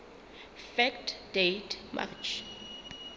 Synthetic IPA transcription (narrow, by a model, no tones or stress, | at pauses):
fɛktdetʰmʔa̰t͡ʃʰ